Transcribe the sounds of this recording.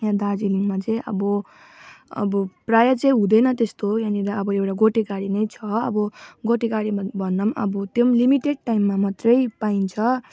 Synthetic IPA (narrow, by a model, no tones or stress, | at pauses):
jãd̪ad͡ziliŋmat͡sʌĩʔʌ̰bʌ | ʌ̰bʌprajʌt͡sʌ̃ĩɦũd̪ʌjnʌt̪est̪ojaniɾaʌbʌewʈaɡoʈiɡaɽinʌjt͡sʰʌʌ̰bʌɡoʈiɡaɽibʱʌnːʌmʌ̰bʌt̪jomlimiʈeɖ̚ʈajmːamʌt̪rʌjpaint͡sʰʌ